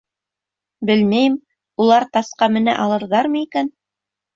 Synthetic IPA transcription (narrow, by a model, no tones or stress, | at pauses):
bɘlmæjɘm | ulˠɑɾt̪ɑsqɑmɘ̆næ̰ʔɑlˠɤ̆ɾðɑɾmɤ̆ikæn